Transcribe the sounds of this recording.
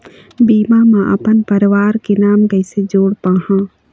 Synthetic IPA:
biːmamãʔɐ̰pənpəɾʋaːɾkenaːmɡəɪsed͡ʒoːɽpaːɦãː

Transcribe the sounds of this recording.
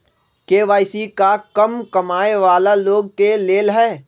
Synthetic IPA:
keːʋaːɪsikakɐmkɐmaːeʋaːlaloːɡ̚keleːlɦɛː

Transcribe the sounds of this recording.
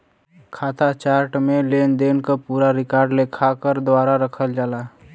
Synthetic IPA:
kʰat̪at͡ʃaɾʈmelend̪enkəpuɾaɾikaɾɖlekʰakəɾd̪ʋaɾaɾəkʰəld͡ʒala

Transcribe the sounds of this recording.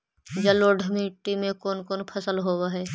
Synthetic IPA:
d͡ʒəloɖʱɪmiʈːimẽkoːnkoːnpʰəsəlɦoːwaɦɛː

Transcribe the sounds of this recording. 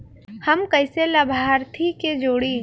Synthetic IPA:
hɐmkɐɪselɐbʱaːɾt̪ʰiked͡ʒoːɽiː

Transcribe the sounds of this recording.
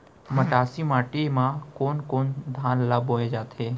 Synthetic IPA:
məʈaːsimaːʈimãkoːnkoːnd̪ʱãːnlaboːed͡ʒaːt̪ʰeː

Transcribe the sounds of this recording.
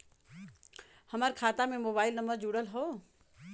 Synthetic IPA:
hɐmaːɾkʰaːt̪amẽmoːβaːɪlnɐməɾd͡ʒuːɽəlɦoː

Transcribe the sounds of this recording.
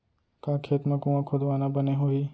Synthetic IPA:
kãːkʰeːt̪məkuãkʰʊd̪ʋaːnãbəneɦoiː

